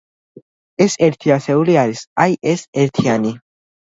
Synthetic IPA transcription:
eseɾt̪ʰiaseuliaɾisajʔeseɾt̪ʰiani

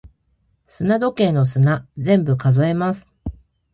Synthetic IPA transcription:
sɨnad̪o̞kẽ̞ːno̞sɨnad͡zẽ̞mbɯ̟kazo̞e̞masɨ̥

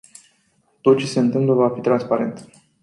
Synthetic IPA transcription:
t̪o̞t̪̚t͡ʃe̞se̞ɨnt̪ɨmpləvafit̪ɾanspaɾe̞nt̪

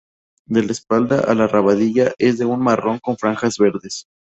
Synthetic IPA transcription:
d̪e̞lespald̪aʔalaraβaðiʝaʔe̞zðe̞unmaro̞ŋko̞ɱfɾaŋxazβe̞ɾðe̞s

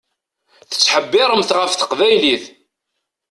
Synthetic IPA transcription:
θə̥t͡sːħəbːɪɾˤəmθʁəfθə̥qvæjliθ

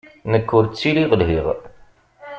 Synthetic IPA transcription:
nəkːʊɾt͡sːiliʁəlɦiʁ

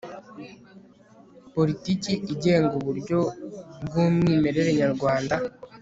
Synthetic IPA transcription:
po̞ɾiticiʔiɟeːŋɡuβuɾjo̞bɡomwiːme̞ɾe̞ɾe̞ɲaɾɡwaːnda

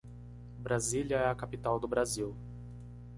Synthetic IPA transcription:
bɾaziljɐɛɐkapit̪awd̪ʊbɾaziw

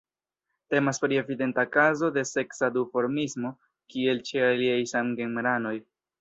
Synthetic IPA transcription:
te̞maspɾie̞vide̞ntakazo̞de̞se̞ksadufo̞ɾmismo̞ | kie̞lt͡ʃealiajsamɡe̞ŋmɾano̞j

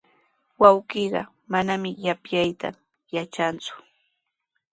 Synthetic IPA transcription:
wawɢiːɢɑ̰ | manamɪjapjajt̪a̰ | jat͡ʃant͡sʊ̥

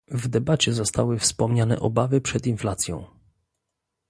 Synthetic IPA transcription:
vd̪ɛbat͡ɕɛzɔst̪awɘfspɔmɲanɛ̰ʔɔbavɘpʂɛt̪inflat̪sʲjɔ̰̃w̃

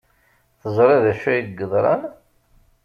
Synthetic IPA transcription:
θəzˤɾˤɑðæʃæjiɡəðˤɾˤɑ̰n

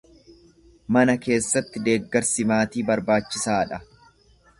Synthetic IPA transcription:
mɐnɐke̞ːsːɐt̪ːɪd̪e̞ːɡːɐɾsɪmaːt̪iːbɐɾbaːt͡ʃːɪsaːᶑɐ

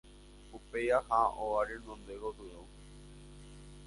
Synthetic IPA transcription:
upejahãʔoaɾenõnd̪eɣod̪uɾõw

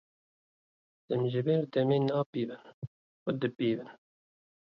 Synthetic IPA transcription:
d̪̥ɨmʒɪbeːɾd̪ɛmeːnɑːpiːbɨn | xʊd̪ɨpiːbɨn

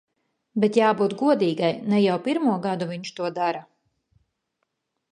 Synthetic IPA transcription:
bɛt̪jaːbuːt̪ɡuɔd̪iːɡajnɛjawpiɾmuɔɡad̪uviɲt͡ʃt̪uɔd̪aɾa

